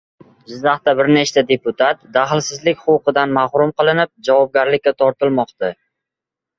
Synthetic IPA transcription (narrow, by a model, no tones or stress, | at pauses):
d͡ʒɪzːaχt̪abɪɾnet͡ʃt̪ad̪e̞pʊt̪ʰat̪d̪aχɪlˠsɪzlɪkʲχʊwqɨd̪anmahɾʊmqʰɨlˠɪnɪp̚d͡ʒavɒb̚ɡʲaɾlɪkʲːat̪ʰɒɾt̪ʰɪlmɒqt̪a